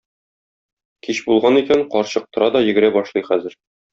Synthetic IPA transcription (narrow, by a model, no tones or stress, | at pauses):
kiɕbulˠʁɑnikæɴqɒɾɕɤ̆q̚t̪ɤ̆ɾɑd̪ɒjɘ̆ɡɘ̆ɾæbɒʃlˠɤjχæzɘ̆ɾ